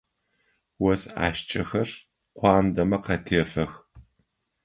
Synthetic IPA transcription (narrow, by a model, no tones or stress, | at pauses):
wɐsa̰ːʃt͡ʃʼɐxɐr | qʷɑːndɐmɐqɐtʰeːfɐx